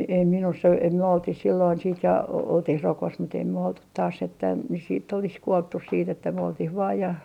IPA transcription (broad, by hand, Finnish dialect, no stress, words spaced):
em ei minusː o ei myø oltih silːoin siːt jɑ oltih rokos mut ei myø oltut tɑːs etːæ nys siːtː olis kuoltːus siːtː etːæ myø oltih ʋɑː jɑ